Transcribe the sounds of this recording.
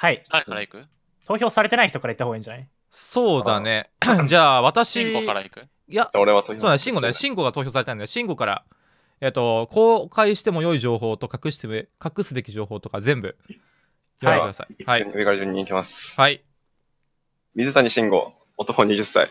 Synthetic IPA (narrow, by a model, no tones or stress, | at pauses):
haiaekaɾaikɯ̟ | t̪o̞ːço̞ːsaɾe̞t̪e̞naiçit̪o̞kaɾait̪ːaoɡaĩɲd͡ʑanai | so̞ːd̪ane̞d͡ʑaːβ̞at̪aɕiaɾaikɯ̟ | jaoɾeβat̪ooːnnɕĩŋɡo̞neɕĩŋɡo̞ɡat̪o̞ːçʲo̞ːs̬aɾe̞t̪aĩnneɕĩŋɡo̞kaɾa̰ | eːt̪ːo̞kʰo̞ːkaiɕi̥t̪e̞mo̞jo̞iʑo̞ːɦo̞ːt̪o̞kakɯ̟ɕi̥t̪ekakɯ̟sɨbe̞kʲiʑo̞ːho̞ːt̪o̞kazẽ̞mbɯ̟̰ | oaekɯd̪asa̰ihaiiɡaɾiʑɨ̃ɲ̟ːĩːkʲimasɨ̥hai | mʲizɨt̪aɲiɕĩŋɡo̞̰ | ot̪okoɲiʑɨsːa̰i